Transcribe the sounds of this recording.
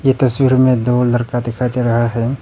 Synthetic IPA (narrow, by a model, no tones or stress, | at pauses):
jet̪ɐswiːɾmẽd̪oːllɐɾkad̪ɪkʰat̪eɾɐɦaɦɛː